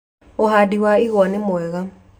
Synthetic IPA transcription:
ohadiwaiɣwɔnemoɛɣa

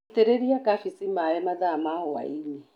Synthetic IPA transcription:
t̪ɛɾeɾiakafisimaɛmaðamahɔwa̰iɲɛ

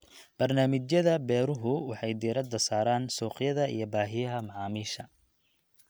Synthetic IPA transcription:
b̥ɐrnaːmɪt͡ʃjɐðɐbɛːɾʊɦʊwɑħɑjd̪iːɾɐd̪ɐsaːɾaːnsɔːqjɐðɐʔḭjɔbaːɦɪjɐɦɐmɑʕɑːmiːʃɐ

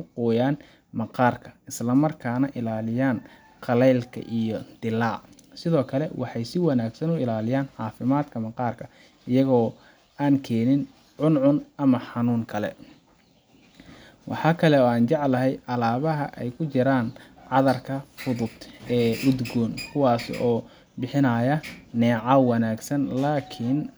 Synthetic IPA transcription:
kʰʊqɔːjaːn | mɐqɑːrkʰɐ̥ɪslɐmɐrkʰaːnɐʔɪlaːlɪjaːn | qɑlɛjlkʰɐ̰ʔijɔd̪̥ɪlaː | sɪðɔːkʰɐlɛwʔɑħɑjsɪwɑnaːɡsɐnʊɪlaːlɪjaːnʕɑːfɪmaːd̪kʰɐmɑqɑːrkʰɐ | ɪjɐɣɔː | aːŋkʰɛːnɪn | ʕʊnʕʊnɐmɐħɑnuːŋkʰɐlɛ̰ | wɑ̰ħɑːkʰɐlɛɔːaːnt͡ʃɑʕlɐɦɛjʔɐlaːβɐɦɐ̰ʔɛjkʰʊt͡ʃɪɾaːn | ʕɑðɐrkʰɐfʊðʊd̪ɛːʔʊd̪ɡɔːnkʰʊwɑːsɔː | bɪħɪnɐjɐnɛːʕɑwɑnaːɡsɐnlaːkʰɪn

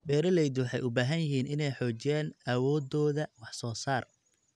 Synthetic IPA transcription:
bɛːɾɐlɛjd̪wɑħɑ̰jʔʊbaːɦɐnjɪɦiːnɪnɛjħɔːt͡ʃɪjaːnʔɐwɔːd̪ɔːðɐwɑħsɔːsaːr

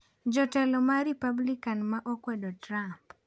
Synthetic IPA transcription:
d͡ʒɔtɛlɔmaɾipablikanmaʔokwɛdɔtramp

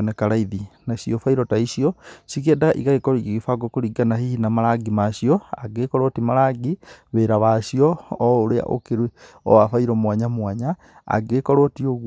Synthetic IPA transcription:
nɛkaɾaiðinaɕijɔfaiɾɔtaiɕiɔsikedaɣaʔiɣaɣekɔɾiɣiɣifaɡɔkoɾiɡanahihinamaɾaɡimaɕiɔaɡekɔɾotimaɾaɡiβeɾaβaɕiɔoɾea̰ʔo̰keɾweɔ̰wafaiɾɔmwaɲamwaɲa | a̰ɡekɔɾotioɣ

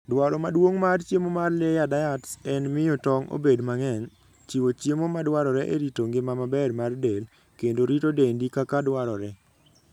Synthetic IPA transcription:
dwaɾɔmadwoŋmart͡ʃjemomarlejadajatsɛnmɪjɔtɔŋo̰bedmaŋɛn | t͡ʃiwot͡ʃjemomadwaɾɔɾɛʔeɾitoŋɡɪmamabɛrmardel | kendoɾitodendikakadwaɾɔɾɛ

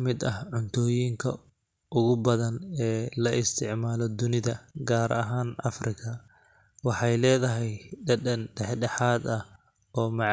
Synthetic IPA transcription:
mɪd̪ɐhʕʊnt̪ʰɔːjiːŋkʰɐ | ʔʊɣʊbɐðɐnɛːlɐʔɪst̪ʰɪʕmaːlɔd̪ʊnɪðɐɡaːɾʔɐɦaːnʔɐ̰frɪkʰɐ | wɑħɑjlɛːðɐɦɛjɖɐnɖɛħɖɛħaːd̪ɐ | ɔːmɑʕ

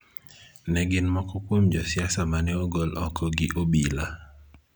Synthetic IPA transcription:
nɛɡɪnmɔkɔkwomd͡ʒɔsɪasamanɛoɡolɔ̰kʰɔɡɪʔobila

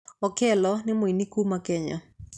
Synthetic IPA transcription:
ɔkɛlɔnɪmoinikumakɛɲa̰

